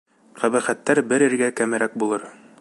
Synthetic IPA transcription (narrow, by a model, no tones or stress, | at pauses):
qæβæχæt̪ːæɾbɘɾɘ̆ɾɡækæmæɾʔæk̚bulˠɤɾ